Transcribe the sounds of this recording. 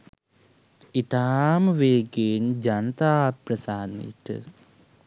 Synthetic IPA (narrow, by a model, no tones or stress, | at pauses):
it̪aːmʋeːɡeːnd͡ʑɐnɐt̪aːpɾɐsaːnḭʈːɨ̰